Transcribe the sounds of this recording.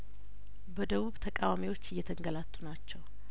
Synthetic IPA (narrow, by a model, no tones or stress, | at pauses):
bəd̪əβuβt̪ʰəkʼawamiwo̞t͡ʃːɪjːɛt̪ʰəŋɡəlat̪ʼːunat͡ʃːɛw